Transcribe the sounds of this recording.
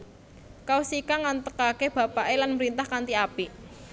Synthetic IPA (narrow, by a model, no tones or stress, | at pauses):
kausikaŋant̪əkakeb̥ä̤paʔelanməɾint̪ahkant̪iapi